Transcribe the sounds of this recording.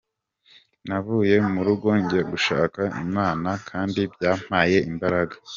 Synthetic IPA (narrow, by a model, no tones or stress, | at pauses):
navuːje̞muɾuɡo̞ːɲɟe̞ɡuʃaːkaḭmaːnakʰaːndibɟaːm̥haːje̞imbaɾaɡa